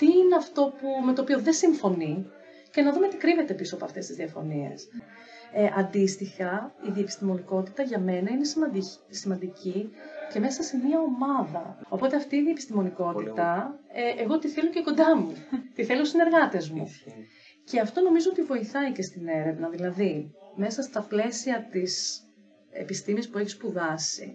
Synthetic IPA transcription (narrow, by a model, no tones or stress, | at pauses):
t̪iineɐft̪o̞pume̞t̪oːpioðesiɱfo̞ni | ce̞nɐðumet̪ikɾive̞t̪e̞pisoɐpo̞ɐft̪e̞st̪izðiɐfo̞̰nie̞̰s | ʔɐnd̪ist̪ixɐiðiepist̪imo̞niko̞t̪it̪ɐʝɐme̞nɐine̞s | simɐnd̪icice̞me̞sɐse̞mɐomɐðɐo̞po̞t̪e̞ɐft̪iːðiepist̪imo̞niko̞t̪it̪ɐʔeɣo̞t̪iθe̞loceko̞nd̪ɐmut̪iθe̞losine̞ɾɣɐt̪e̞zmṵ | ce̞ɐft̪o̞no̞mizoot̪ivo̞iθɐice̞st̪ine̞ɾe̞vnɐðilɐðime̞sɐst̪ɐple̞siɐt̪is | ḛpist̪imispueçi̥spuðɐsḭ